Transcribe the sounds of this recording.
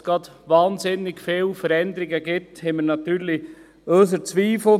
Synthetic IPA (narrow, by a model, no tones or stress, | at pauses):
ɡ̥ɾɑd̪̥ | ʋɑːnzɪnːɪɡ̥feːlfəɾɛnd̪əɾɪɡəɡɪthɛməɾnɑt̪yːɾli | øs̬əɾt͡sʋiːfl̩